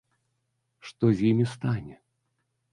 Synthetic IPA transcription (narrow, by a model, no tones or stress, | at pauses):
ʂt̪ɔzʲjimʲist̪anʲɛ